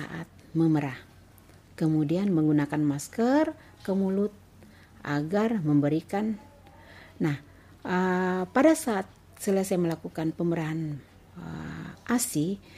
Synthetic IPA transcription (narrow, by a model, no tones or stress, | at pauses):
a̰ʔa̰t̪̚məməɾah | kəmudianməŋɡunakanmaskər | kəmulʊt̪̚ | ʔa̰ɡarməmbəɾikanː | ah | əpadasaːt̪̚ | səlasajaməlakukanpəməɾaɦan | ə̰ʔasi